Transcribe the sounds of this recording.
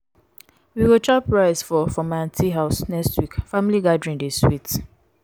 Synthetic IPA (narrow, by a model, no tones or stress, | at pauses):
wiwot͡ʃapɹaɪzfɔfɔmãntʰiɦaʊsnɛkstwikfamiliɡadɹĩndiswit